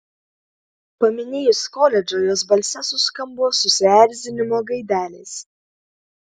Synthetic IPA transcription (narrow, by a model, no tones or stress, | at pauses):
pɐmʲɪnʲeːjʊskoːlʲɛd͡ʒʲoːjoːsbɐlʲsʲɛsʊskɐmboːsʊsʲɪæɾʲzʲɪnʲɪmoːɡɐɪd̪ʲæːlʲeːs